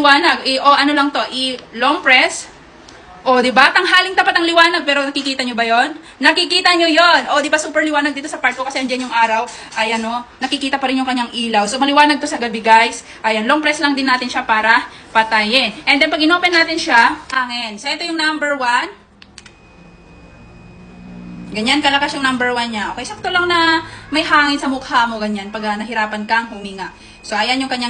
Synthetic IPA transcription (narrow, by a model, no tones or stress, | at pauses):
waːnɐɡʔɪʔo̞ʔɐno̞lɐŋt̪o̞ʔɪloŋpɾɛs | ʔo̞d̪ɪbat̪ɐŋɦaːlɪŋd̪ɐpat̪ɐŋlɪwaːnɐɡ̚pɛːɾo̞nɐkikiːt̪ɐɲobɐjo̞nː | ɐkɪkiːt̪ɐɲojo̞nʔo̞d̪ɪbasuːpɛɹlɪwaːnɐɡ̚d̪iːt̪osɐpaɹt̪̚okɐsɛɐŋd͡ʒɐnjʊŋʔaːɾɐw | ʔɐjʔɐno̞nɐkɪkiːt̪ɐpɐɾɪnjʊŋkɐɲːaŋʔiːlɐwsomɐlɪwaːnɐɡ̚t̪o̞sɐɡɐbɪɡajs | ʔɐjɐnloŋpɾɛslɐŋd̪ɪnːaːt̪ɪnʃapaːɾɐpɐt̪ajɪnʔɛnd̪ɛnpɐɡ̚ʔɪno̞ːpɛnːaːt̪ɪnʃahaŋɪnsoʔɛt̪o̞jʊŋnambɛɹwan | ɡɐɲankɐlɐkasjʊŋnambɛɹwanɲaʔokɛjsak̚t̪olɐŋnɐmɐjɦaːŋɪnsɐmʊkhamo̞ɡɐɲanpɐɡanɐɦɪɾaːpɐnkɐŋhʊmiŋaʔ | soʔɐjanjʊŋkɐɲːa